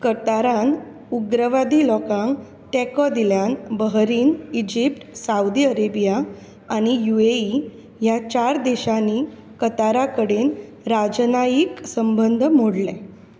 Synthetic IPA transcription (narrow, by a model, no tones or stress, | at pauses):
kət̪aɾãn | uɡɾəʋad̪iːlɔkãŋ | t̪ɛkɔd̪iljanbəɦɾiːnid͡ʑip̚ʈsaud̪iːəɾebijaː | ɽ̃ijuʋei | jat͡ɕaɾd̪ɛɕaniː | kət̪aɾakəɽeːn | ɾad͡ʑnajiksəmbənd̪ʱəmoɽlɛ